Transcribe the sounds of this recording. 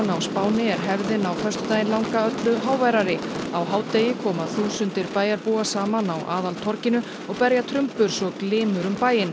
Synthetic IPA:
nawspaːwnɪɛɾ̥ɦɛvðɪnawfœrst̪ʏ̥t̪ajɪnlawŋkaœt̪lʏɦaːwvajɾaɾɪawɦaːwt̪ejɪkʰɔːmaθuːsʏnt̪ɪɾpaːjaɾpuːasaːmanawʔa̰ːðalt̪ʰɔɾ̥cɪnʏ | ɔɣpɛɾjat̪ʰɾʏmpʏɾ̥sɔɣklɪːmʏɾʏmpaːjɪn

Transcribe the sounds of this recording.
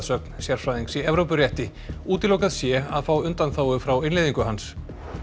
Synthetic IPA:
ðsœk̚nsjɛɾ̥fɾaːðiŋksɛɛvɾowpʏrjɛht̪ɪ | uːt̪ɪlːowkaðsjɛaðfawʏnt̪anθaːwʏfɾawɪnlejðiŋkʏɦans

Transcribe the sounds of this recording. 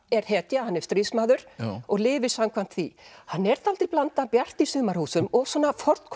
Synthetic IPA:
ɛɾ̥hɛːt̪jahanːɛɾ̥st̪ɾismaːðʏɾ̥ɔɣlɪːvɪɾ̥samkʰvan̥t̪θihanːɛɾ̥t̪ʰalt̪ɪplant̪apjar̥t̪isʏːmaɾhuːsʏmɔɣsɔnːafɔr̥t̪kʰ

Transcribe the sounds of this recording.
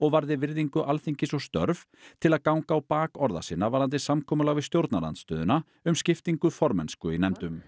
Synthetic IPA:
ɔɣvaɾðɪvɪɾðiŋkʏʔalθiɲcɪsɔɣst̪œ̰ɾv | t̪ʰɪlaðkawŋkaːwpaːkɔɾða̰siːnːavaɾant̪̬ɪsamkʰɔːmʏlaɣvɪst̪jowɾt̪nala̰nt̪st̪œːðʏna | ʏmscɪft̪iŋkʏfɔɾmɛ̰nskʏinɛmt̪ʏm

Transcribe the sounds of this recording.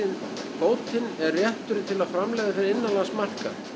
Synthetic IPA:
ɪn | poːwt̪ɪnɛrːjɛht̪ʏɾɪt̪ʰɪlaðfɾamlɛːjðaθeɪnːalaɣsmar̥ka̰

